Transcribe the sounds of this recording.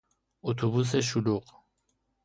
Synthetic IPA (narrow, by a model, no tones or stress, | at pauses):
ut̪ʰubus̬eʃuluq